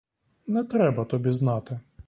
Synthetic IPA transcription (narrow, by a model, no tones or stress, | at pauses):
nɛt̪ɾɛbɐt̪ɔbʲiznɑt̪ɪ